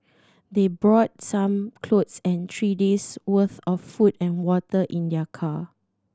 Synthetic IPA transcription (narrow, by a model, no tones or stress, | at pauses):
debɹɔt̚sãmkʰlotsɛ̃ntʰɹideswəθɔfːutɛ̃nwɔtəʔĩndɛkʰa